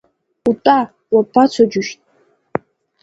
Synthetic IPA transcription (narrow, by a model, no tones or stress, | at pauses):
utʼa | wapʰːat͡sʷʰad͡ʒʊʃtʼ